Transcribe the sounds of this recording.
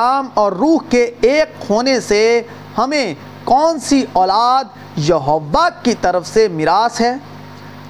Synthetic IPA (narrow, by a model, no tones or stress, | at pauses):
aːmɔːɾːuːɦkeeːkːʰoːnese | hɐmẽ | kɔːnsiʔɔːlaːd̪̚ | jɐɦoʋːakkːit̪ɐɾəfsemɪɾaːsɦɛː